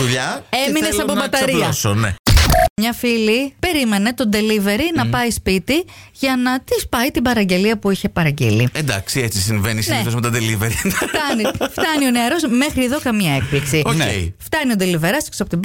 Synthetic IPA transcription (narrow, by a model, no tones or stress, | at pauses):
uʎɐeminnesɐpobɐt̪ɐɾiɐsonḛmɲɐfilipe̞ɾime̞ne̞t̪o̞nd̪e̞live̞ɾinɐpɐjspit̪iʝɐnɐt̪ispɐjt̪ibɐɾɐɲɟe̞liɐpuiçe̞pɐɾɐɟḛliend̪ɐ̰ksiet͡sis̬iɱvenisnineθozmet̪ɐd̪eliveɾift̪ɐnift̪ɐnio̞neɐɾo̞zme̞xɾieðo̞kɐmiɐe̞k̚pliksioneft̪ɐniod̪elive̞ɾɐst̪i̥ksɐpot̪ib